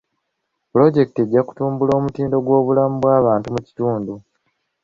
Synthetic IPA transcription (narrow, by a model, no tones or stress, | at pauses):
plo̞ɟe̞kite̞ɟːaku̥tuːmbulo̞ːmutiːndo̞ɡwo̞ːβulamuβwaːβaːntumuci̥tuːndu